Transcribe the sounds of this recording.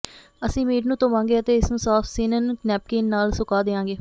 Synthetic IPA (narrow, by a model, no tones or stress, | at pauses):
əsĩːmeːʈnũːt̪õːmãːŋɡeːət̪eːɪsnũːsaːfʰseːnənknɛːp̚keːnːaːlsʊkaːd̪eːãːŋɡeː